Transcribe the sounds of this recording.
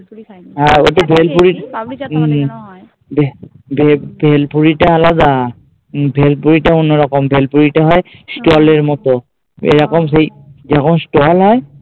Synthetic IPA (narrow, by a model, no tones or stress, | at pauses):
ao̰tɔbʱɛlpuɹi | bʱ | bʱbʱɛlpʰuɹitaːlaza | bʱɛlpuɹitaunɔɹɔkɔmbʱɛlpuɹitaɦɔjstɔalɛɹmɔtɔ | ḛjɹɔkɔmsej | zakɔmstɔalɦɔj